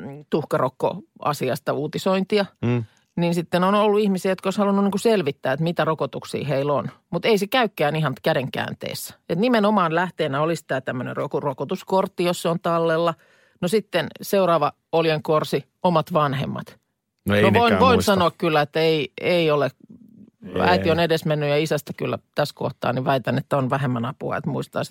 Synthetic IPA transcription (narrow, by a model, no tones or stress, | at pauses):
t̪uhkɑrokːo̰ɑ̰siɑst̪ɑuːt̪isoint̪iɑ | ninsit̪ːenonolːuihmisiæjot̪̚koishɑlunːuniŋkuselʋit̪ːæːet̪mit̪ærokot̪uksḭːheilonmut̪eisekæykːæːnihɑnt̪kædeŋkæ̰ːnt̪ḛːsːæ̥et̪nimenomɑːnlæht̪eːnæolist̪æˑt̪æmːønḛrokorokot̪uskort̪ːijosseont̪ɑlːelːɑ | nosit̪ːenseurɑːʋɑ | oljeŋkorsi | omɑt̪ʋɑnhḛmːɑ̰t̪ | noʋoinʋoisɑnoɑkkylːæet̪ːæeieiole | æ̰it̪ionedesmenːyjɑisæst̪ækylːæ̰t̪æsko̰ht̪ɑ̰ːniʋæit̪ænet̪ːæonʋæɦemːænɑpuɑ̰ḛt̪muist̪ɑ̰ːs